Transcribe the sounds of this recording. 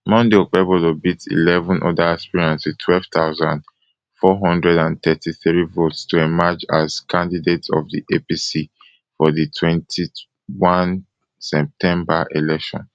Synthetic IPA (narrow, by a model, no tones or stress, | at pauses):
mɔ̃ndeok͡pɛbolobitḭlɛvɔ̃nʔɔ̰daɛspiɹãnswitʰwɛlv̥taʊzãnd | fɔɦɔ̃ndɹɛdãntɛtʰiθɹivotstuɛmad͡ʒaz̥kʰãndidetɔ̰fðiʔepisi | fɔðitʰwɛ̃ntʰi | wãn | sɛp̚tʰɛ̃mbaʔelɛkʃɔ̰̃n